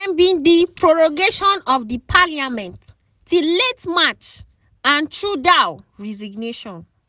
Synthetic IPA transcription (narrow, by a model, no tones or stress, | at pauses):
mbĩndipɹɔɹɔɡeʃɔ̃nɔfdipʰaliamɛ̃nt | tiletmat͡ʃ | ãntʰɹudaʊɹɛziɡneʃɔ̃n